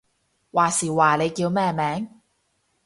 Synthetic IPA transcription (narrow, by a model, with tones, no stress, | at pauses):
waː˨˩siː˨˩waː˨le˨˧jkiː˧wmɛː˥˩mɛː˨˥ŋ